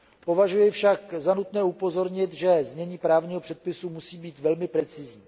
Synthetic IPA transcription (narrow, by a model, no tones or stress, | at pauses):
po̞vaʒujɪfʃakzanut̪nɛːupo̞zo̞ɾɲɪt̪ʒɛzɲɛɲiːpɾaːvɲiːɦopr̝̥ɛt̪̚pɪsumusiːbiːt̪vɛlmɪpɾɛt͡sɪzɲiː